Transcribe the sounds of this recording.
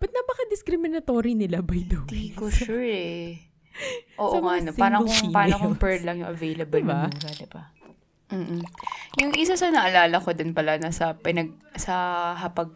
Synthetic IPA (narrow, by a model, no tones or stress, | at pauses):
b̥ɐt̪̚nɐbɐkɐd̪ɪskɾɪmɪnɐt̪oːɾinɪlabɐjd̪od̪ikoʃuɹɛ | ʔoːʔʔoŋɐɐnopaːɾɐopaːnokoŋpɛɹd̪lɐŋjʊ̰ŋʔɐvejlɐbɐlbɐŋɡad̪ɪbɐ | m̩ːʔ̩jʊŋʔɪsasɐnɐʔɐlaːlɐko̞d̪ɪnpɐlanɐsɐpɪnɐɡ̚sɐɦɐpɐɡ̚